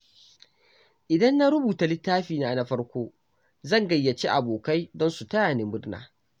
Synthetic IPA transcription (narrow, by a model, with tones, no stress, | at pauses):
ʔɪ˨dɐ˦nːa˦ɾʊ˦buː˨ta˨lɪ˦tːaː˦ɸiː˨naː˨na˨˦ɸɐ˦ɽkʷoː˦ | zɐ˦˨ŋɡɐ˨jːɐ˨t͡ʃeː˦ʔa˨boː˨ka˦jdɔ˦nsu˨tɐ˦jaː˨ne˨mbʊ˦ɽna̰ː˨